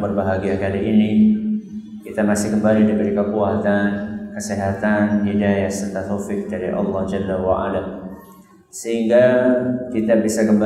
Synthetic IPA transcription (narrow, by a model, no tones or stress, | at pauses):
bərbaɦaɡiakaliini | kit̪amasɪhkəmbalidibəɾikəpuat̪ankəsiɦat̪anɦidajahsət̪at̪ofɪk̚daɾḭʔɑ̰lːɑhd͡ʒalːawaʔa̰la | səɦiŋɡakit̪abisakəmb